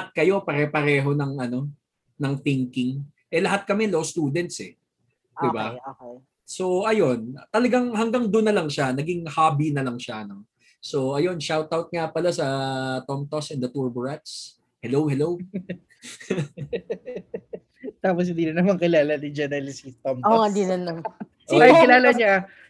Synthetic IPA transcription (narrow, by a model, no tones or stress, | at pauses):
ɐt̪̚kɐjo̞pɐɾɛpɐɾɛːɦo̞nɐŋɐno̞ | nɐŋθɪŋkɪŋ | ʔɛlɐɦat̪̚kɐmɛlowst̪uːd̪ɛnt̪sɛ | d̪ɪbaoː | so̞ʔɐjo̞nt̪ɐlɐɡaŋhɐŋɡaŋd̪onːɐlɐŋʃanɐɡɪŋhaːbinɐlɐŋʃanɐŋ | so̞ɐjo̞nʃawt̪awt̪̚ŋapɐlasɐt̪omt̪o̞sɛnd̪ɐt̪uɹbʊɹɛt̪̚s | hɛlowhɛlow | t̪aːpos̬ɪnd̪iːnɐnɐmaŋkɪlaːlɐnid͡ʒɛnɛlɪsit̪omtoɐnd̪inɐnɐ | ʔokɪlaːlɐɲa